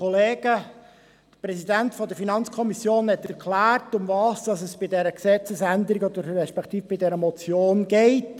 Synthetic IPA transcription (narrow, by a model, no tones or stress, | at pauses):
oleːɡə | d̪̥əpɾɛsidæntfɔdəɾfinɑnt͡skʰɔmisjoːnhɛtɛɾkʰlæːrtʊmvɑːsd̥ɑsəsb̥ɪdɛɾəksɛt͡səsændəɾiɡɔd̪əɾːɛʃpɛkt̪iːfb̥ɪdɛɾəmɔt͡sjoːnɡ̥ɛɪt